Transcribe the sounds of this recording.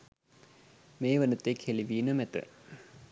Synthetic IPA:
meːʋənət̪ekʰeliʋiːnəmɛt̪ə̰

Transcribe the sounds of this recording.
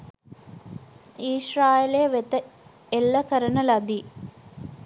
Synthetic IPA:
iːʃraːjeleʋet̪ɐ | elːɐkɐɾɐnɐlɐd̪i

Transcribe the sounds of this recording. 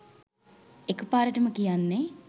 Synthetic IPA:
ekupaːɾɐʈɐmɐkijaːnːe

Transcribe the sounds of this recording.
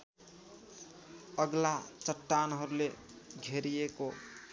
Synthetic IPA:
əɡlat͡ʃəʈːanɦəɾule | ɡʱeɾieko

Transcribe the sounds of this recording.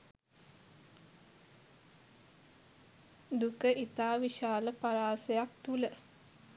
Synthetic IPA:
d̪ukəʔit̪aːʋiʃaːləpaɾaːsejak̚t̪ulə

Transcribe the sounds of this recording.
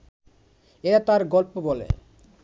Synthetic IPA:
eɾat̪aɾɡɔlpobɔlḛ

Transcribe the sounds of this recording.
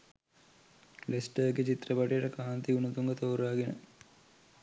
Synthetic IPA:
lesʈəːɡet͡ʃit̪rɐpɐʈijəʈəkaːnt̪iunɐt̪uŋɡət̪oːɾaːɡenə̰

